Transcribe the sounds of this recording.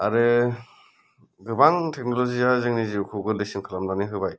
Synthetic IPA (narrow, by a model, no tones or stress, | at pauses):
a̰ɾɯ | ɡɯbaŋtʰek̚nɔlɔzijazɯŋniziukʰɯɡɯlesimkʰɯlamlaniɦɯbaj